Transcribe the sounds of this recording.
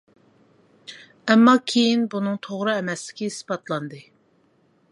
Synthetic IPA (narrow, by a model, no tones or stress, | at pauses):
ɛmːɑkʲʰejinbunɨŋt̪ʰoʁɾɨɛmɛslɪ̥kʲiispɑt̪lˠɑnd̪ɨ